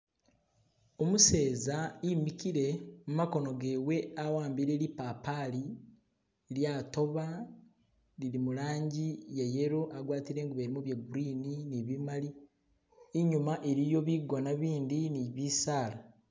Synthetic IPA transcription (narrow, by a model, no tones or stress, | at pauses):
o̞muse̞ːzaimikiɾe̞mumako̞no̞ɡe̞we̞awaːmbiɾe̞ɾipaːpali | ɾjaːto̞βa | liɾimuɾaːɲɟijeje̞ɾoʔaɡwaːtiɾe̞ŋɡuβeɾimuβjeɡuɾiːniniβimali | eɲumaʔeɾijo̞βiɡo̞naβiːndiniβiːsaːɾa